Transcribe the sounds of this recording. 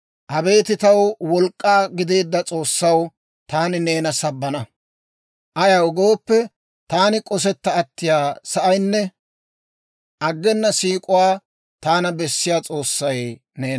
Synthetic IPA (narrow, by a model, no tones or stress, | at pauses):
ʔɐbe̞ːt̪ɪt̪ɐwwɔlkʼːaːɡɪd̪e̞ːd̪ːɐt͡sʼo̞ːsːɐw | t̪aːnɪne̞ːnɐsɐbːɐnɐ | ʔɐjɐwɡo̞ːpːɛ | t̪aːnɪkʼɔs̬ɛt̪ːɐːt̪ːɪjaːsɐʔɐjnːɛ | ʔɐɡːɛnːɐsiːkʼʊwaː | t̪aːnɐbɛsːɪjaːt͡sʼo̞ːsːɐj | ne̞ːn